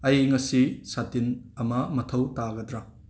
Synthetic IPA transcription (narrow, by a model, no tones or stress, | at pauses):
ɐjŋɐsisatinɐmɐmɐtʰɐwtaɡɐdɾa